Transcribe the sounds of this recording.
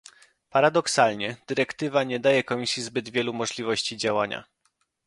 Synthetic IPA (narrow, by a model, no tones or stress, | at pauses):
paɾad̪ɔksalɲɛd̪̥ɘɾɛkt̪ɘvaɲɛd̪ajɛkɔmʲisʲjizbɘd̪vʲjɛlumɔʐlʲivɔɕt͡ɕid͡ʑawaɲa̰